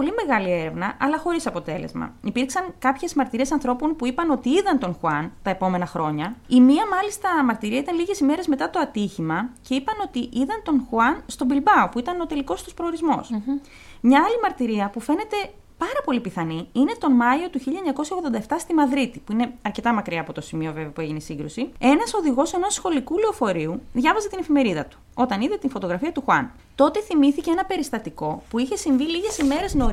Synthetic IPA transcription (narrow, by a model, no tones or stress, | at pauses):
po̞lime̞ɣɐlie̞ɾe̞vnɐʔɐlɐxo̞ɾisɐpo̞t̪e̞lḛzmɐ̰ipiɾksɐŋkɐpçe̞zmɐɾt̪iɾie̞sɐnθɾo̞po̞npuipɐno̞t̪iiðɐnt̪o̞nxuɐnt̪ɐe̞po̞me̞nɐxɾo̞ɲɐimiɐmɐlist̪ɐmɐɾt̪iɾiɐit̪ɐnliʝe̞sime̞ɾe̞zme̞t̪ɐt̪o̞ɐt̪içimɐce̞ipɐno̞t̪iʔiðɐnt̪o̞nxuɐnst̪o̞bilbɐopuit̪ɐno̞t̪e̞liko̞st̪uspɾo̞ːɾizmo̞̰s | mɲɐɐlimɐɾt̪iɾiɐpufe̞ne̞t̪e̞ | pɐɾɐpo̞lipiθɐniine̞t̪o̞nmɐio̞t̪uçiʎːɐeɲɐko̞sjçɐoɣðo̞nd̪ɐeft̪ɐst̪imɐðɾit̪ipuine̞ɐɾce̞t̪ɐmɐkɾiɐːpo̞t̪o̞simio̞ve̞veɐpueʝinesiŋɡɾusie̞nɐso̞ðiɣo̞se̞nosxo̞likuleofo̞ɾiuðʝɐvɐze̞t̪ine̞fime̞ɾiðɐt̪u̥ | o̞t̪ɐniðe̞t̪info̞t̪o̞ɣɾɐfiɐt̪uxwɐ̰n | t̪o̞t̪e̞θimiθiceenɐpe̞ɾist̪ɐt̪iko̞puiçe̞siɱviliʝe̞sime̞ɾe̞zno